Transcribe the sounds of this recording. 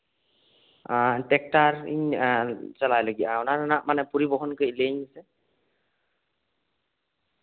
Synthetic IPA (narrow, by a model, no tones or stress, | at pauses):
tɛk̚taɹḭɲ | t͡ʃalajloɡiʔaɔnaɾnaʔmanɛpɔɹibɔɦɔnkojleɲasɛ